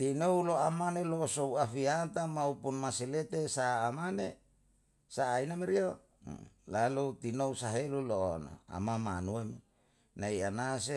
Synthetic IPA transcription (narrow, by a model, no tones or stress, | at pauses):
t̪inouloamanelosouafiat̪amaupunmasilet̪esaːmane | saːinameɾio | lalut̪inousaɦelulo̰no̰a̰mama̰nuemi | naianase